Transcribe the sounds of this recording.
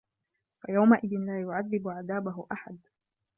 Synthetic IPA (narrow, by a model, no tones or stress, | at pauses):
fajawmaʔɪðɪnlaːjʊʕaðːɪbʊʕaðaːbʊɦʊʔaħad̪